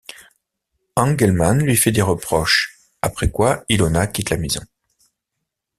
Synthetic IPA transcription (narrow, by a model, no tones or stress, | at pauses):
ɑ̃ɡɛlmanlɥifɛd̪eʁəpχɔʃ | apχɛkwailonakʲit̪lamezɔ̰̃